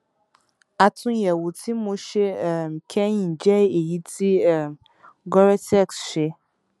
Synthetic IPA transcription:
a˨tʰʊ̃˦jɛ˨wo˨tʰi˦mõ˦ʃe˦˨m˨kʰɛ̃˦ɲĩ˨d͡ʒɛ˦e˨ji˦tʰi˦ɛ˨m | ɡɔ˦ɾɛ˦tɛ˦˨ksɕɛ˦

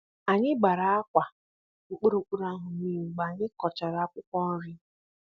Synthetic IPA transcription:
a˨ɲɪ˦ɡ͡ba˨ɾa˨˦a˦kʷa˨ | k͡pʊ˦ɾo˨k͡pu˦ɾa˦ɦʊ˨mi˦m̩˨ɡ͡ba˨ɲɪ˦kɔ˨t͡ʃa˨ɾa˨a˦kʷʊ˦kʷɔ˦n̩˦ɾɪ˦

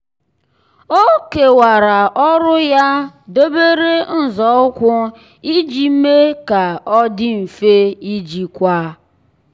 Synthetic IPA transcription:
o˦ke˨wa˨ɾa˨ʔɔ˦ɾʊ˦ja˦do˦be˦ɾe˦n̩˦˨zɔ˦ʊ˦kʷʊ˦ | i˦d͡ʒi˨m̩˦me˦ka˨ɔ˦dɪ˦m̩˨fe˦i˦d͡ʒi˨kʷa˦

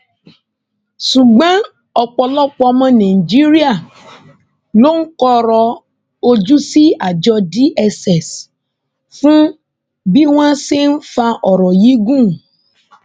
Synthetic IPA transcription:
su˨ɡ͡bã˦ | ɔ˨k͡pɔ˧lɔ˦˨k͡pɔ˧ɔ˧mã˦nã˨i˨d͡ʒi˦ɾi˦a˦˨ | lo˦ŋ̩˦kɔ˦ɾɔ˧ | o˦d͡ʒu˦si˦a˨d͡ʒɔ˧di˦ʔɛ˧sɛ˨s | fũ˦ | bi˦w̃ã˦si˦n̩˦fa˧ʔɔ˨ɾɔ˨ji˨˦ɡũ˦˨

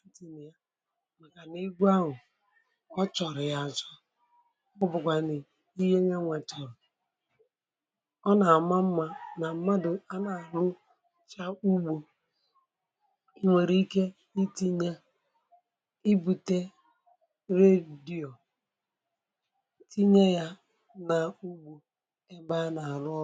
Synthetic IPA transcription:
ti˨ni˨ja˦ | ma˨ka˨ni˦ɡʷu˦a˦ɦʊ˨ | ɔ˦t͡ʃɔ˨ɾɪ˨ja˨t͡ʃɔ˦ | ʊ˦bʊ˨kʷa˨nɪ˨ | i˦je˦ɲe˦ŋʷɛ˨t͡ʃɔ˨ɾɔ˨ | ɔ˦na˨ma˦m̩˦ma˦na˨˦ma˦dʊ˨a˦na˨a˨lʊ˦ | t͡ʃa˦u˦ɡ͡bo˨˦ | ŋʷe˨ɾi˦i˦ke˦ | i˦ti˦ɲa˦ | i˦bu˨te˦ | ɾe˦di˨o˨˦ | ti˦ɲe˦ja˦ | na˨u˦ɡ͡bu˨ | e˦ba˦a˦na˨a˨lʊ˦

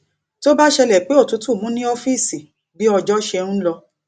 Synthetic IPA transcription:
to˦ba˦ʃɛ˧lɛ˨k͡pe˨˦o˦˨tu˨˦tu˦˨mũ˨˦nĩ˦o˧fi˦˨si˨ | bi˨˦ɔ˧d͡ʒɔ˦ʃɛ̃˧ũ˦lɔ˧

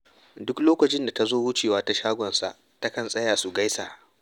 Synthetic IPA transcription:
dʊ˦kloː˦kɐ˨t͡ʃɪ˦nda˨ta˦zoː˦wʊ˦t͡ʃeː˨waː˦ta˦ʃaː˦ɡʷɔ˨nsa̰˨ʔ | ta˦kɐ˨nsʼɐ˦jaː˨su˨ɡa˦jsa˨ʔ

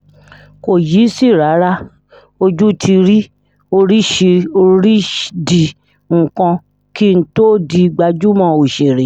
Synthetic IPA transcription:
ko˨ji˨˦si˦˨ɾa˨˦ɾa˦ | o˧d͡ʒu˦tʰi˧ɾi˦ | o˧ɾi˦ʃe˧o˧ɾi˦di˨ | ŋ̩̃˨kɔ̃˧ | ki˦ñ̩˦to˦di˧ɡ͡ba˧d͡ʒu˦mɔ̃˦˧˨o˨ʃe˨ɾe˨

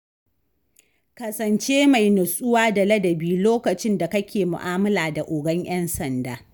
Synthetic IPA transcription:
kɐ˨sɐ˨nt͡ʃeː˦ma˨jnʊ˨sʼʊ˦waː˦da˨lɐ˦dɐ˨biː˦loː˦kɐ˨t͡ʃɪ˦nda˨kɐ˦kʲʰeː˨mʊ̰˨ʔaː˦mɐ˦laː˨da˨ʔʊ˨ɡɐ˦ɲj̰ɐ˦nsɐ˨ndaː˨

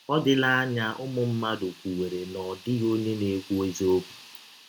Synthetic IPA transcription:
ɔ˦dɪ˦la˦a˦ɲa˦ʔʊ˦mʊ˦m̩˦ma˦do˨kʷu˨we˨ɾe˨nɔ˨dɪ˦ɣo˦ne˦ne˨˦kʷu˦e˦zo˦bu˨

